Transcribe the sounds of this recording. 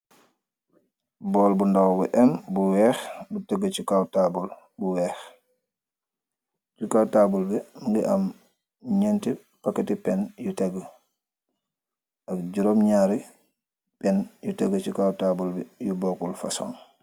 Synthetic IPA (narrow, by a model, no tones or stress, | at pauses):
bɔːlbundawbuʔɛmbuwɛːxbutɛɡːət͡ʃikawtabul | buwɛx | t͡ʃukawtabulbɛmiŋɡiʔam | ɲɛnti | pakːetipɛnjutɛɡə | akɟuɾɔmɲaːɾi | pɛnjutɛɡət͡ʃikawtabulbɛjubɔːkulfa̰sɔ̰ŋ